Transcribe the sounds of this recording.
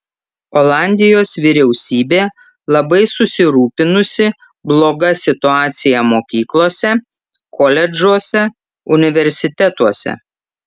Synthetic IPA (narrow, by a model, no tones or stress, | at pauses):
oːlˠɑˑnʲd̪ʲɪjoːsʋʲɪɾʲɛʊsʲiːbʲeː | lˠɐbɐɪsʊsʲɪɾuːpʲɪnʊsʲɪ | blˠoːɡɐsʲɪt̪ʊɑːt̪sʲɪjɛmoːkʲiːklˠoːsʲɛ | kɔlʲɛd͡ʒuɔsʲɛ | ʊnʲɪʋʲɛɾʲsʲɪt̪ʲɛt̪uɔsʲɛ̰